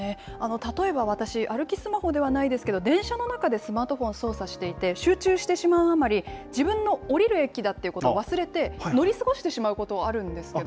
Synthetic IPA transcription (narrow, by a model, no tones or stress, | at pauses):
ne̞ano̞t̪at̪o̞e̞baβ̞at̪aɕiʔaɾɯ̟kʲisɨmaho̞d̪e̞β̞anaid̪e̞sɨ̥ke̞d̪o̞d̪ẽ̞ɰ̃ɕano̞nakad̪e̞sɨmaːt̪o̞ɸõ̞ɰ̃so̞ːsaɕi̥t̪e̞it̪e̞ɕɨːt͡ɕɨːɕi̥t̪e̞ɕimaɯ̟amaɾʲid͡ʑibɯ̟̃nːo̞ːɾʲiɾɯ̟e̞kʲːid̪at̪ːe̞iɯ̟ko̞t̪oːβ̞asɨɾe̞t̪e̞no̞ɾʲisɨɡo̞ɕi̥t̪e̞ɕimaɯ̟ko̞t̪o̞aɾɯ̟̃nd̪e̞sɨ̥ked̪